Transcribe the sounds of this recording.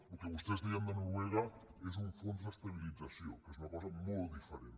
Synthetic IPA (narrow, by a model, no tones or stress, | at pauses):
lokeβust̪ezðiand̪enuɾweɣaes̬uɱfonzðest̪aβilid͡zasjokesunakosamolt̪ðifeɾen